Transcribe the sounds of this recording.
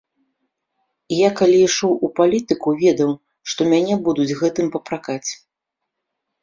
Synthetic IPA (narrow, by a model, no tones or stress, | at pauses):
jakalʲiːʂɔwupalʲit̪ɨkuvʲɛd̪ɐw | ʂt̪ɔmʲanʲɛbud̪ud͡zʲɣɛt̪ɨmpɐpɾakat͡sʲ